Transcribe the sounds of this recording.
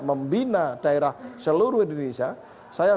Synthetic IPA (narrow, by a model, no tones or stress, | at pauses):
məmbinad̥aeɾahsəluɾuindonesia | saja